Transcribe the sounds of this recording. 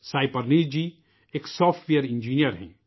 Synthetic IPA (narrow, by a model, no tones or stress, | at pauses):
saːipɐɾnid͡ʒi | eksɔːfʈʋiːəɾĩnd͡ʒiːnijəɾɦɛ̰̃ː